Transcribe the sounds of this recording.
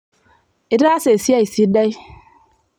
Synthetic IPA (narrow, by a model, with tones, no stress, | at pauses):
i˦ɾa˦se˨si˦a˦i˨si˦da˦i˦